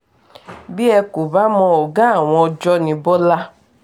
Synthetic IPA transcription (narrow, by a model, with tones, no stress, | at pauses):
bi˦ɛ˧ku˨ba˨˦mɔ̃˧ɔ˨ɡã˦a˦˨w̃ɔ̃˧ɔ˧d͡ʒɔ˦nĩ˧bɔ˦la˦